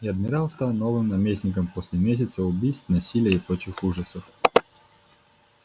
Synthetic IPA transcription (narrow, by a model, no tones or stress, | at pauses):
jɐd̪mʲɪɾalˠst̪alˠnovɨmnɐmʲesʲnʲɪkəmposʲlʲɛmʲes̬ʲɛt̪səʊbʲijst̪nɐsʲilʲəipɾot͡ɕɪxuʐəsəf